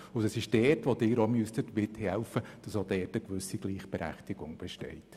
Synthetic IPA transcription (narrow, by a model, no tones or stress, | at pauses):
ʊdəsɪʃd̥ɛːtʋodɪːɾomystətʋɪthɛlfəd̥ɑsodɛːtəkʋʏsiɡliːχb̥ɛɾæ̰χtɪɡ̥ʊŋb̥ɛʃtɛ̰ɪt